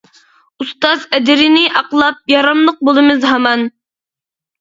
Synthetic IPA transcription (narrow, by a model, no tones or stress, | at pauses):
ust̪ɑzɛd̪ɪɾɪnɪʔɑqlˠɑp̚jɑɾɑmlˠəq̚bolˠɨmɨzɦɑmɑn